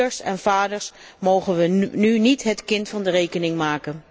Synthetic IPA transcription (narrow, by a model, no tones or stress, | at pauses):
əɹsɛ̰nv̥aːdəɹsmowχənʋənynitɦətkɪntfɑndərejkənɪŋmaːkən